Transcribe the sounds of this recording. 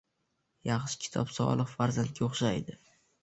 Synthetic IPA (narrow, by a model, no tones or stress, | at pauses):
jaχʃɪ̥kʲʰɪ̥t̪ʰɒ̰psɒ̰lˠɨqfaɾzant̪̚kʲaoχʃajd̪ɪ